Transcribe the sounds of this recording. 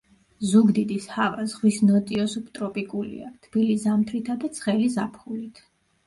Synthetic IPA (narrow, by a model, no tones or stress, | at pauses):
zuɡd̪id̪ishavazʁwisnɔt̪ʼiɔsup̚ʰt̪ʼɾɔpʼikʼulḭa̰t̪ʰb̥ilizamt̪ʰɾit̪ʰad̪at̪sʰχɛlizapʰχulit̪ʰ